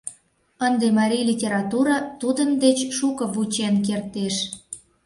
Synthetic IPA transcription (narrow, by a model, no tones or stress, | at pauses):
ənd̪emɑɾʲijlʲitʲeɾɑt̪uɾɑt̪ud̪ənd̪et͡ɕʃukəβut͡ɕenk̬ert̪eʃ